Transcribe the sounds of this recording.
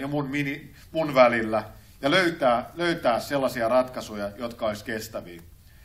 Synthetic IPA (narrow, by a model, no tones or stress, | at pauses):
jɑmunmini | munʋælilːæ | jɑløyt̪æːløyt̪æːsselːɑsiɑrɑt̪kɑsujɑjot̪kɑolʲisʲkest̪æʋḭː